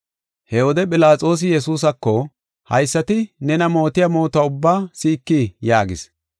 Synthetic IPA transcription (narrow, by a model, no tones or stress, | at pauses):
hɛwɔd̪ɛpʼɪlaːt͡sʼo̞ːs̬ɪjɛsuːs̬ɐkːɔ | hɐ̰jsːɐt̪ɪnɛnɐmo̞ːt̪ɪjɐmo̞ːt̪ʊaʊbːaːsiːkːijaːɡɪs